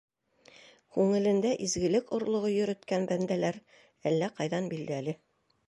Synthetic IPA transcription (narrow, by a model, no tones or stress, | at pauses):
kʉŋɘ̆lɘ̆nd̪æʔizɡɘ̆lɘkŏɾlˠŏʁojɵ̆ɾɵ̆t̪kænbænd̪ælæɾ | ælːæqɑjðɑnbild̪æælɘ